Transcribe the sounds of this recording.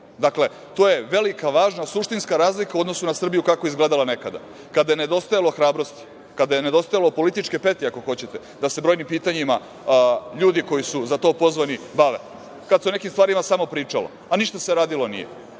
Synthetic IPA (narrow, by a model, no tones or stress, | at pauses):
d̪akle̞ | t̪oːje̞ʋe̞likaʋaːʒnasuʂt̪inskaɾaːzlikaud̪no̞sunasr̩bijukakoizɡleːd̪alane̞kad̪a̰ | kad̪ajene̞d̪o̞st̪ajalo̞xɾaːbɾo̞st̪i̥ | kad̪ajene̞d̪o̞st̪ajalopo̞lit̪it͡ʃkepet̪iako̞xo̞t͡ɕet̪ed̪ase̞bɾo̞jnimpiːt̪aɲima | ʎuːd̪iko̞jisuzat̪o̞ːpo̞zʋanibaʋḛ | kad̪seone̞kimst̪vaːɾimasamo̞pɾiːt͡ʂalo̰aniʃt̪aseɾaːd̪ilo̞nḭjḛ